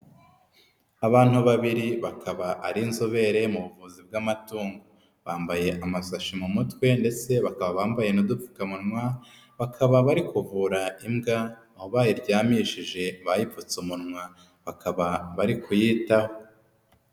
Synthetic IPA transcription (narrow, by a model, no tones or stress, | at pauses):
aβaːn̥huβaβiɾiβakʰaβaʔaɾinzoβe̞ɾe̞muβuvuzib̚ɡamatuːŋɡo | βaːmbaje̞ʔamasaʃimumutwe̞nde̞t͡se̞βakaβaβaːmbaje̞nudup͡fu̥kamuɾmwa | βakʰaβaβaɾikuvuːɾaimɡaː | hoβaːjiɾɟaːmiʃiʒe̞βajip̪fut͡sumuɾmwa | βakʰaβaβaɾikʰujiːtaho